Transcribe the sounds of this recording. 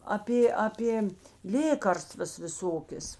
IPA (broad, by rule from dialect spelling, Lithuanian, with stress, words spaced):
ɐˈpʲeː ɐˈpʲeː ˈlʲeːkɐrstʋɐs ʋʲɪˈsoːkʲeːs